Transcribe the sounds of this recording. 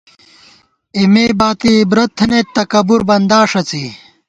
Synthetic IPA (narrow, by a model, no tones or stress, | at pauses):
imeːbaːt̪ibɾɐt̪ʰːnet̪ːɐkɐbuɾbɐnd̪aːʂɐt͡si